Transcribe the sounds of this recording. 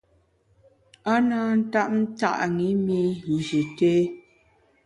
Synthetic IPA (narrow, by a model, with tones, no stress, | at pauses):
a˦na˦n̩˦ta˦ʔ̚n̩˦ta̰˦˨ʔŋi˨˦mi˦ɣu˨zi˨te˦